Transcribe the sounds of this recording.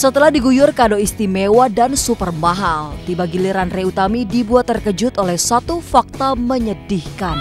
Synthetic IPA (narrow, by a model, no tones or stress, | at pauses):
sət̪əlahdiɡujʊrkadoist̪imewadansupərmaɦalt̪ibaɡiliɾanreut̪amidibuat̪ːərkəd͡ʒʊt̪olɛhsat̪ufak̚t̪aməɲədihkan